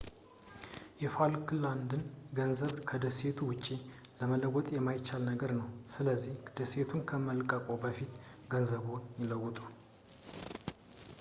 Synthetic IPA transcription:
jɛfalkʰland̪ɨnɡənzəβkʰəd̪əset̪ʰuwʊt͡ʃʼːi | ləmələɡɔt̪ʼjɛmːajɪt͡ʃːalnəɡəɾnəwsɨləzːihd̪̥əse̞t̪ʰunkʰəməlkʼəkʼobəfit̪ɡənzəβonjɪləɡʷʊt̪ʼu

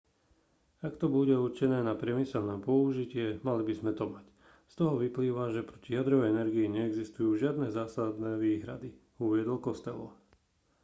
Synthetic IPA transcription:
akt̪ɔbuɟɛuɾt͡ʃɛnɛːnapɾɪɛmisɛlnɛːpɔuʒicɪɛmalibizmɛt̪ɔmac | st̪ɔɦɔʋipliːʋaʒɛpɾɔcijad̪ɾɔʋɛɛnɛɾɡiiɲɛɛɡzist̪ujuːʒɪad̪nɛzaːsad̪nɛːʋiːɦɾa̰d̪i | uʋɪɛd̪ɔlkɔst̪ɛlɔ̰

